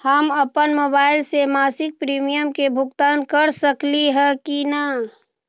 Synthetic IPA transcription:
həməpənmoːbaːɪlsemaːsɪk̚pɾiːmijəmkebʱʊɡt̪aːnkəɾsəkliɦɛkina

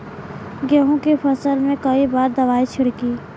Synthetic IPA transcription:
ɡəɦõkipʰɐsəlmẽkɐibaːɾd̪ɐʋaːit͡ʃʰʊɽɡiː

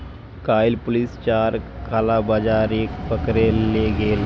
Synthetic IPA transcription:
kajlpulist͡ʃaɾ | kʰalabad͡ʒaɾekbəkɾeleɡel

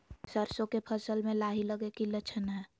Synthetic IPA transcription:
səɾsõkepʰəsəlmẽlaːɦiləɡekilət͡ʃʰənɦɛː

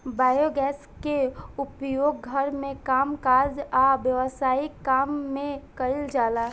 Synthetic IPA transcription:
baːjoɡɛːs | keʊpjoːɡɡʱəɾmẽkaːmkaːd͡ʒaʋjəʋəsaːikaːmːẽkəɪld͡ʒaːlaː

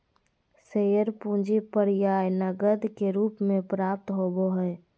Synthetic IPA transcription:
seəɾpũd͡ʒipəɾjajnəɡəd̪keɾupmẽpɾap̚t̪ɦoboɦəj

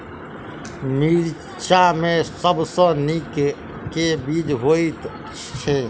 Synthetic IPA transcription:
miɾ | t͡ʃamẽsəbsə̃nik | kebid͡ʒɦoit̪ | t͡ʃʰe

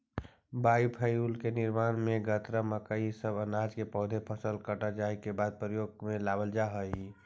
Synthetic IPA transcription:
baːipʰəjuːlkenɪɾmaːnmẽɡət̪ɾəməkəisəbənaːd͡ʒkepɔɦʊd̪ʱepʰəsəlkəʈad͡ʒaːikebaːd̪̚pɾəjoːɡ̚mẽlaːbəld͡ʒaɦəii

